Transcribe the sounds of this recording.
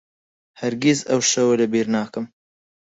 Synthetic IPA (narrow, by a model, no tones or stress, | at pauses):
hɐɾɡʲizɐwʃɐwɐlɐbeːɾnaːkɨm